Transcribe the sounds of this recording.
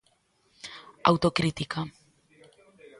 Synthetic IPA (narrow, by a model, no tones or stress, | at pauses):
a̰wt̪okɾit̪ika